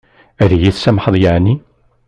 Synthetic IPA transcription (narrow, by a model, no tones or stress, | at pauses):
æðjiθsæmħəðˤjaʕni